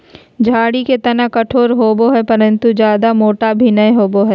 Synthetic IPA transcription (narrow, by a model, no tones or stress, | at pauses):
d͡ʒʱaːɽiket̪ɐnakɐʈʰoːɾɦoːboɦɛpɐɾə̃nt̪ud͡ʒjaːd̪amoːʈabʱinɐẽɦoːboɦɛː